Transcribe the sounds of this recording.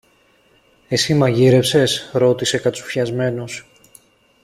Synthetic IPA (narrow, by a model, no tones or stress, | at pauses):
e̞simɐʝiɾe̞fse̞sɾo̞t̪ise̞kɐt̪t͡su̥fçɐzme̞nos